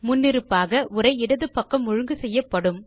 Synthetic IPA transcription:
mʊnːɪɾɯpːaːɣɐʔʊɾɐɪɪɽɐðɯpːɐkːɐmːʊɻʊŋɡɯsɛjːɐpːɐɽɯm

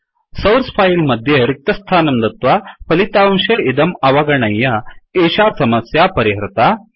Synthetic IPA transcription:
sɐwɾspʰaːjilmɐd̪ʱjeɾik̚t̪ɐst̪ʰaːnɐmd̪ɐt̪ʋapɐlit̪aːmʃɐid̪ɐmɐʋɐɡɐɳɐjːɐeːʃaːsɐmɐsjaːpɐɾiɦɾɪt̪a

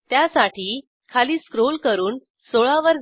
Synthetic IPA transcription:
t̪jasaʈiː | kʰaliːskɾolkəɾuːn | soɭaʋəɾ

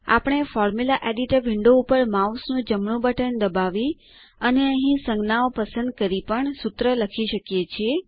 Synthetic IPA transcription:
a̰pəɳ̃efɔɾmulaʔeɖiʈəɾʋɪɳɖoupəɾmausnũd͡ʒəmɳũbəʈəɳd̪əbaʋi | əneəɦĩsəŋɡnaopəsə̃nd̪̚kəɾipəɳsut̪ɾələkʰiʃəkjet͡ʃʰie

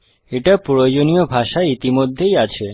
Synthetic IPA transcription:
eʈapood͡ʑoniobʱaʃaeit̪imod̪ʱːejat͡ɕʰe

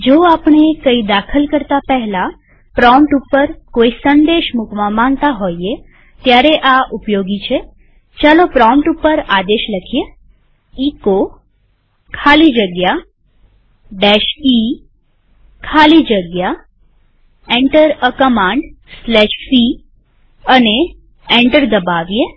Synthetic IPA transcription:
d͡ʒoːapɳekəid̪akʰəlkəɾt̪apɛɦla | pɾɔmʈupːəɾkoːisə̃nd̪eʃmʊkʋãmãŋɡt̪aɦoie | t̪jaɾeʔaʔʊpjoːɡit͡ʃʰe | t͡ʃalopɾɔmʈupːəɾad̪eʃləkʰije | iːko | kʰalid͡ʒəɡja | ɖɛʃi | kʰalid͡ʒəɡja | ẽɳʈəɾəkəmãɳɖ | slɛʃfi | əne | ẽɳʈəɾd̪əbaʋije

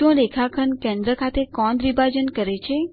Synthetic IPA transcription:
õɾekʰakʰənkẽnd̪ɾəkʰat̪ekɔnd̪ɾibad͡ʒənkəɾet͡ʃʰe

